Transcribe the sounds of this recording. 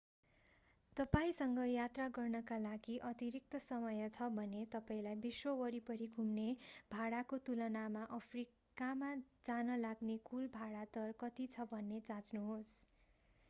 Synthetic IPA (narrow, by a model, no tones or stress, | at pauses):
t̪ʌpaĩsʌŋɡʌjat̪raɡʌrnʌkalaɡiʔʌt̪iɾik̚t̪ʌsʌmʌjʌt͡sʰʌbʱʌnet̪ʌpaĩlajbiswʌwʌɾipʌɾiɡʱumnebʱaɽakot̪ulʌnamaʔʌpʰri | kamad͡zanʌlaɡnekulbʱaɽat̪ʌrkʌt̪it͡sʰʌbʱʌnːed͡zãt͡snuɦos